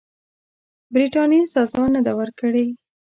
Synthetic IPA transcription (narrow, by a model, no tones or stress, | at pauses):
bɾiʈɑnjesɑzɑnəd̪awəɾkəɽe